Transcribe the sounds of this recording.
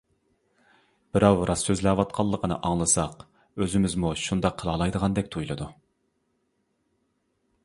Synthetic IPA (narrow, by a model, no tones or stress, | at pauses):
b̥ɪɾɑwɾɑsːøzlæwɑt̪̚qʰɑlˠːəqʰənɨ̰ʔɑŋlˠɨsɑq | øzɪmɪzmuʃund̪ɑqʰəlˠɑlˠɑjd̪əʁɑnd̪ɛk̚ʲt̪ʰujlˠɨd̪u